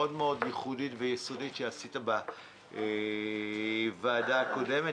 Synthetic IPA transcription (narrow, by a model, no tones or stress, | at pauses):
o̞dmeo̞djeχuditvejeso̞ditʃeasitaba | e | vaːdaːko̞de̞me